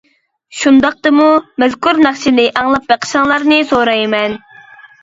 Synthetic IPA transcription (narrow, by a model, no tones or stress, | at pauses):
ʃund̪ɑq̚t̪ɨmumɛzkʰuɾnæχʃɪnɪʔɑŋlˠɑp̚bæqʰə̥ʃɑŋlˠɑɾnɨsoɾɑjmɛn